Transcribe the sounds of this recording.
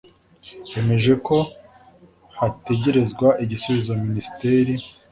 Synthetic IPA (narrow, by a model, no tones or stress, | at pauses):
je̞me̞ʒe̞ko̞ | hate̞ɟe̞ɾe̞zɡwaʔiɟisuβizominisi̥teːɾi